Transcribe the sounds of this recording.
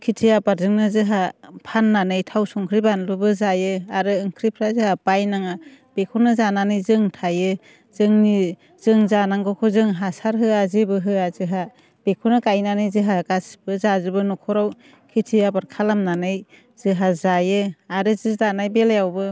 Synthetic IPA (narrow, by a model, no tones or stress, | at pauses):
kʰitʰijabaɾzɯŋnɯzɯɦapʰanːanɯjtʰawsɔŋkʰɾibanlɯbɯzajɯaɾɯɯŋkʰɾipʰɾazɯhabajnaŋab̥ekʰunɯzananɯjzɯŋtʰajɯ | zɯŋni | z̥ɯŋzanaŋɡɔkʰɔzɯŋɦasaɾɦɯazibɯɦɯazɯɦa | b̥ekʰunɯkajnanɯjzɯɦaɡasb̥ɯzazɯbɯnɔkʰɔɾaw | kʰitʰijabaɾkʰalamnanɯj | z̥ɯɦazajɯaɾɯzɯdanajbeljawbɯ